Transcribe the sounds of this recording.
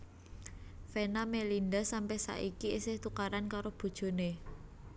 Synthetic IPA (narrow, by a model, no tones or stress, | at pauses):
fenamelindasampɛhsa̰ʔikiesɪht̪ukaɾankaɾob̥o̤d̥ʒ̥o̤ne